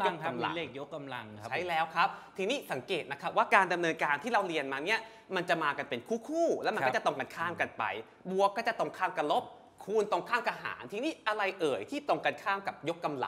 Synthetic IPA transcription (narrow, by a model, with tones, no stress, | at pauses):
o˥˧ŋa˧mla̰˧leː˥˩k̚jo˦˥kːa˧mla̰˧ŋt͡ɕʰa˦˥jlɛː˦˥wkʰɾa˦˥p̚t̪ʰiː˧niː˦˥˩sa˩˦ŋkeː˨˩t̪̚na˦˥kʰa˦˥p̚waː˥˩kaː˧nda˧mnɤː˧nkaː˧nt̪ʰiː˥˩ɾa˧˩wɾi˧ənmaː˧ni˦˥ɐ | ma˧nt͡ɕa˨˩maː˧ka˧npe˧nkʰuː˥˩kʰuː˥˩lɛː˦˥wm˧nː˥˦˥t͡ɕa˨˩t̪o˧ŋka˧nkʰaː˥˩mka˧npa̰˧j | bu˨˩ək̚ːɔː˥˩t͡ɕa˨˩t̪o˧˩ŋkʰaː˥˩mka˧nlo˦˥p̚ | kʰuː˧nt̪o˧ŋkʰaː˥˩mka˧ɦa̰ː˩˦nt̪ʰiː˧niː˦˥˩ʔa˧ɾa˧jʔɤː˨˩jt̪ʰiː˥˩t̪o˧ŋka˧nkʰaː˥˩mka˨˩p̚jo˦˥kːa˧mla̰˨˩ŋ